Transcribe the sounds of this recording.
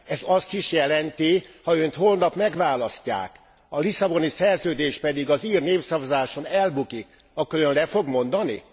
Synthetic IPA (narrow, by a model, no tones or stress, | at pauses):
ɛzɒst̪iʃjɛlɛnt̪ihɒønt̪holnɒpmɛɡʋaːlɒsca̰ːk | ɒlisɒbo̞nisɛrzøːd̪eːʃpɛd̪iɡɒziːrneːfsɒvɒzaːʃo̞nɛlbukik | ɒkølønlɛfo̞ɡmo̞nd̪ɒnḭ